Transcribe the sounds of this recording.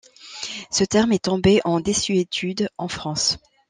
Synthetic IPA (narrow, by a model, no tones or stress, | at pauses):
sət̪ɛʁmɛt̪ɔ̃beʔɑ̃d̪esyet̪ʰyd̪ɑ̃fχɑ̃s